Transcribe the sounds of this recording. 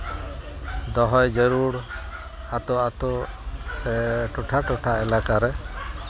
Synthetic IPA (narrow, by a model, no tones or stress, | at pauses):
d̪ɔɦɔjd͡ʒəɾuɽ | at̪ɔat̪ɔsɛʈɔʈʰaʈɔʈʰaɛlakaɾɛ